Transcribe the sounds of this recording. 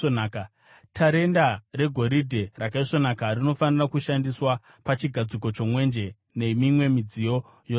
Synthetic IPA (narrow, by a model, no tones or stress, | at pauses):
naːka | tʰaɾe̞ndare̞ɡʱo̞ɾidʱe̞rakaiʂo̞nakarino̞fanirakuʃandiswa | pat͡ʃiɡʱad͡ziko̞t͡ʃo̞mwe̞nd͡ʒe̞ | ne̞mimwe̞mid͡zijo̞ | jo